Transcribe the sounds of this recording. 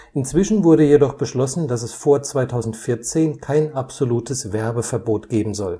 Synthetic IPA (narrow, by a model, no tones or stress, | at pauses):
ʔɪnt͡sv̥ɪʃn̩vʊɐɾəjedɔχb̥əʃlɔsn̩dasɛsfoːɐt͡sv̥aɪtʰaʊzn̩tfɪɐt͡seːnkʰaɪnʔapz̥oluːtʰəsv̥ɛɐbəfɛɐboːtɡ̥eːbm̩zɔl